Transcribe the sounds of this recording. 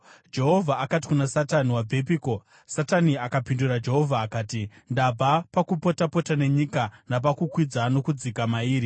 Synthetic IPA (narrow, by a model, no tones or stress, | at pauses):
d͡ʒe̞ɦo̞vʱaːkat̬i̥kunasataniwab͡vʱe̞p̬iːko̞ | sataniakapindurad͡ʒe̞ɦo̞vʱaːkaːti | ndabʱapakupo̞tapo̞tane̞ɲikanap̬akukwid͡zano̞kud͡zikamaiːɾi